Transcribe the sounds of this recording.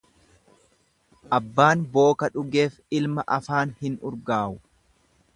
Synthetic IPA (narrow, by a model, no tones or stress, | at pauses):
ʔɐbːaːnbo̞ːkɐᶑʊɡeːf | ɪlmɐʔɐfaːnhɪnʊɾɡaːʔʊ